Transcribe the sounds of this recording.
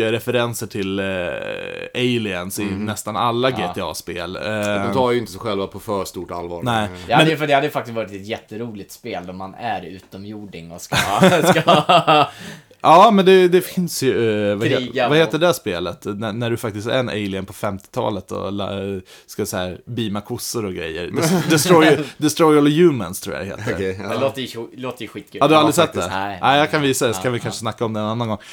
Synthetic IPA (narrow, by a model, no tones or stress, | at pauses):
ɾɛfɛɾɛnsəʈʰɪl | eɪlɪənsɪnɛst̪ana̰lːaɡeːt̪ʰɛɑ̰ːspḛːld̪ɔmt̪ʰɑːjʏɪnt̪əsɛɧɛlvapʰɔfœːʂt̪uːʈa̰lvɑ̰ːɾnɛɪhamɛəjfd̪ɛhad̪ːəjəfakt̪ɪst̪vɑːɾɪt̪ɛt̪jɛt̪ːəɾuːlɪt̪speːld̪ɔmanæɾʉ̟ːt̪ɔmjuːɖɪŋɔskka | ʔɑːmɛnd̪ɛd̪ɛfɪnsjɵvavaheːt̪əɖɛæʂpeːlət̪nænæɖɵfak̚t̪ɪst̪æ̰ɾɛnʔḛɪlɪənpʰɔfɛmt̪ɪ̥t̪ʰɑ̰ːlət̪ɔ̰l̰ | skad̪sɛhæːɾbiːmakʰʊsːəɾɔɡɾɛ̰jːə̰ɾd̪d̪ɛst̪ɾɔjd̪ɛst̪ɾɔjɔljʉːmənst̪ʰɾṵːja̰ɛhḛːtt̪əloːt̪əjloːt̪əjəɧiːt̪̚kʰʉad̪ɵhaald̪ɾɪsɛt̪̚ːd̪ɛ̰ʔæɪjakʰanviːsad̪ɛsɔkʰanvɪkʰanʂəsnakːaɔmd̪ɛɛnanːanɡɔŋ